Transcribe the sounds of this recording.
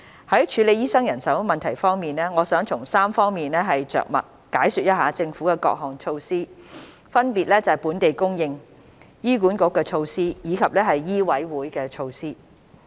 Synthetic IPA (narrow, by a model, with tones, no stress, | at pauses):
hɐ˨˥jt͡ʃʰyː˨˧le˨˧jiː˥sɐ˥ŋjɐ˨˩nsɐ˨˥wmɐ˨nt̪ʰɐ˨˩jfɔː˥ŋmiː˨nɛː˥ŋɔː˨˧sœː˨˥ŋt͡sʰʊ˨˩ŋsaː˥mfɔː˥ŋmiː˨nlɛː˥ɦɐ˨jt͡ʃœ̰ː˨k̚mɐ̰˨˩t̚ | kaː˨˥jsy˨t̚jɐ˥t̚ɦaː˨˧t͡sɪ˧ŋfuː˨˥kɛː˧kɔ̰ː˧k̚ɦɔː˨ŋt͡ʃʰo˧wsiː˥ | fɐ˥npiː˨t̚lɛː˥t͡sɐ˨ɐ˨˩puː˨˥nt̪e˨jkʊ˥ŋjɪ˧ŋ | jiː˥kuː˨˥nkʊ˨˥kːɛː˧t͡ʃʰo˧wsiː˥jiː˨˧kʰɐ˨p̚lɛː˥ɦɐ˨jːiː˥wɐ˨˥jwuː˨˥jkɛː˧t͡ʃʰo˧wsiː˥